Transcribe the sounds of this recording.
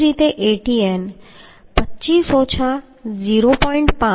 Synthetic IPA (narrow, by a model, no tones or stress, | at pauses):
ɾiːt̪eʔeːʈieːn | pətːt͡ʃiːsɔt͡ɕʰa | ziːɾopɔːɪ̃ɳʈpã